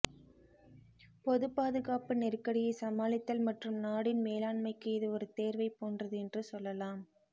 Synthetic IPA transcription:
pɔðɯpaːðɯɣaːpɯnɪrkːɐɽɪjɐsɐmaːlɪt̪ːɐlmɐʈrɯmnaːɽɪnmeːlaːɳmɐɪkːɯɪðɯɔɾɯt̪eːɾʋɐɪpoːndrɐðɯɛndrɯsɔlːɐlaːm

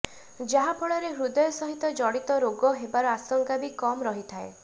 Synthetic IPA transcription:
d͡ʒaɦapʰɔɭɔɾeɦɾud̪ɔjɔsɔɦit̪ɔd͡ʒɔɽit̪ɔɾoɡɔɦebaɾɔasɔŋkabikɔmɾɔɦit̪ʰae

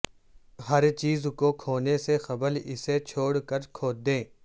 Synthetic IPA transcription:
ɦɐɾt͡ʃiːzkokʰoːnesexɐbəlɪset͡ʃʰoːɽkəɾkʰoːd̪ẽː

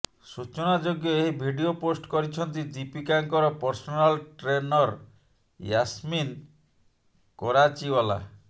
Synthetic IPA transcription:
sut͡ʃɔnad͡ʒoɡjɔeɦibʱiɖioposʈkɔɾit͡ʃʰɔnt̪id͡ʒipikaŋkɔɾɔpɔɾsɔnalʈɾenɔɾ | jasmin | kɔɾat͡ʃiwɔla̰

